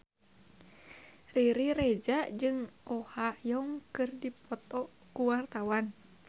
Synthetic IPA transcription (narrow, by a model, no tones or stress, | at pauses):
riɾiɾed͡ʒad͡ʒɨŋɔhajɔŋkɨrdipɔt̪ɔ | kuwart̪awan